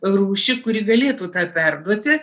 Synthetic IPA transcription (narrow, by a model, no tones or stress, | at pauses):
ruːʃʲɪkʊɾʲiːɡɐlʲeːt̪uːt̪ɑːpʲɛrd̪uɔt̪ʲɪ